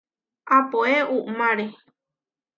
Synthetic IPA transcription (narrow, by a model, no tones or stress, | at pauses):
apoeumãɾe